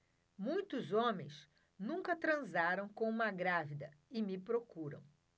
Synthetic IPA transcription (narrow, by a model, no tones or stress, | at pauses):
mũj̃t̪ʊzõmḛ̃j̃s | nũŋkɐt̪ɾɐ̃zaɾɐ̃w̃kõũmɐɡɾavid̪ɐɪmɪpɾokuɾɐ̰̃w̃